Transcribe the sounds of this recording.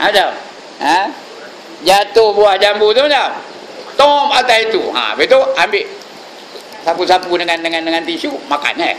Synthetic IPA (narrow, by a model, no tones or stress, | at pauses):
ad͡ʒam | a | d͡ʒat̪ohbuahd͡ʒambut̪umad͡ʒam | t̪ɔmat̪ait̪ṵã̰bet̪uambɪʔ | sapusapudəŋandəŋandəŋant̪isumaka̰nɲa̰